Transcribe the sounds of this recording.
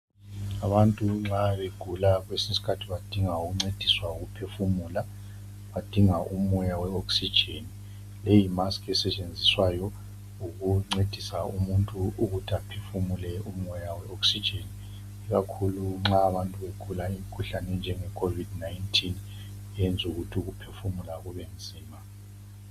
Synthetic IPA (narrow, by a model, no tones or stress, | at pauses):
aβantʼuŋ͡ǁaβeɡ̥ʱulaɣwesisi̥kʰatʰiβad̥ʱiŋauɣuŋ͡ǀed̥ʱiswauɣupʰefumuːla | βad̥ʱiŋaʔum̩ɔjawɛoksid̥ʒ̥ʱeni | lejimaskɛsɛt͡ʃʼend͡zʱiswajɔ | uɣuŋ͡ǀed̥ʱisaumuntʼuuɣutʰiapʰefumulɛum̩ɔjawɛoksid̥d͡ʒ̥ʱeniː | ɣakʰuluŋ͡ǁaːβantʼuβekʰulaim̩kʰuɬanɛnd͡ʒʱɛŋɛkʰovidnajntʰʼin | ɛɛnd͡zʱuɣutʰiuɣupʰefumulaɣuβɛn̩ziːma